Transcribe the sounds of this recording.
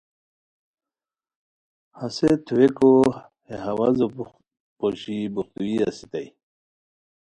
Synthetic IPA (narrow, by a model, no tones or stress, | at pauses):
haset̪ʰuweko | heɦawazo | poɕibuxt̪uiasit̪aj